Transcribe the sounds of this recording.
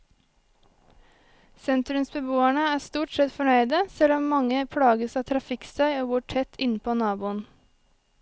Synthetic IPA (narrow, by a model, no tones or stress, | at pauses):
sɛnt̪ɾʉmsbəbuːæɳəæːst̪uːʈsɛt̪fɔɳœʏd̪əsɛlɔmmɑŋəpʰɽɑːɡəsɑːt̪ʰɾɑfɪkst̪ʰœʏoːɡʊːʈʰɛt̪ʰɪnpʰoːnɑːbuːən